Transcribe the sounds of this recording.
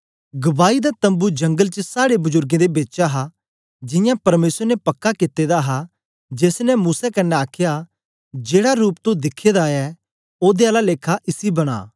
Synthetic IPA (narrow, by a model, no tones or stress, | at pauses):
ɡɐbaːid̪at̪ɐ̃mbud͡ʒɐ̃ŋɡəlt͡ʃəsaːɽebʊzʊɾɡẽd̪ebeːtːʃaɦa | d͡ʒɪjãpɐɾmeːsəɾnɛpɐkːakɪt̪ːeːd̪aɦa | d͡ʒeːsnɛmuːsɛkɐnːɛaːkʰɪja | d͡ʒeːɽaɾuːp̚t̪õd̪ɪkʰːeːd̪aɛ | oːd̪ealaleːkʰaʔɪsibɐɽ̃a̰ː